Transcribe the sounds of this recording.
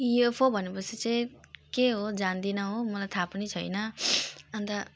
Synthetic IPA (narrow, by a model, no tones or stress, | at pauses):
epʰobʱʌnepʌsʰit͡sʌĩkeɦod͡zand̪inʌɦomʌlajt̪ʰapʌnit͡sʰʌjnʌʌnt̪ʌ